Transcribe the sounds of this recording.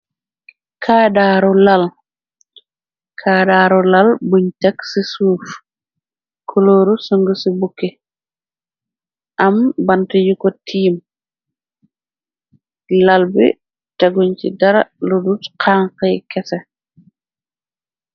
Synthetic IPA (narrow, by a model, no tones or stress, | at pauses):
kʰaːdaːɾɔlal | kʰaːdaːɾɔlalbuɲtɐksisuːf | kʰuloːɾusuŋɡusibukːi | ʔambantijukɔtʰiːm | lalbḭ | taɡuɲt͡ʃḭdɐɾa̰ludutqʰaŋqɛjkɛsɛ